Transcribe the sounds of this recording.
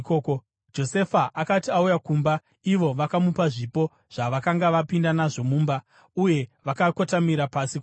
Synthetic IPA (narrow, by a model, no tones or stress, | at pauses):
koko | d͡ʒo̞se̞faʔakatiaujakuːmba | iʋo̞ʋakamupaʐipo̞ | ʐ̥aʋakaŋɡaʋapindanaʐo̞muːmba | uje̞ʋakakotamiɾapasiko